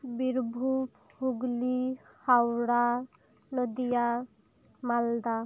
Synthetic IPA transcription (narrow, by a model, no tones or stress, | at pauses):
biɾbʱup | huɡli | hawɽa | nɔd̪ija | mald̪a